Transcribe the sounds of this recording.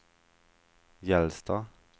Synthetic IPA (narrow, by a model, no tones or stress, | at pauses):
jɛlst̪ɑ